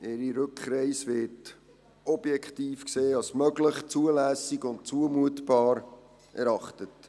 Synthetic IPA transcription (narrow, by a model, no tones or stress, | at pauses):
eɾiɾʏkχɾɛɪsʋɪɾt | ɔb̥jɛkχtiːfkseːɑsmœɡləχt͡suəlæːsiɡʊntt͡suəmuətbɑːɾ | ʔɛɾɑχtət